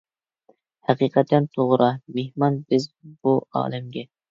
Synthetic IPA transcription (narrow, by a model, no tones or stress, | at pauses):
hæqiːqʰɛt̪ʰːɛnt̪ʰoʁɾɑmehmɑnbɪzbuɑ̰ːlɛmɡʲɛ